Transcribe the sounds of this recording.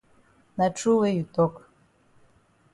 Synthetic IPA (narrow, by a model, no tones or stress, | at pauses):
naʈ͡ʂʰɨwejitʼokʼ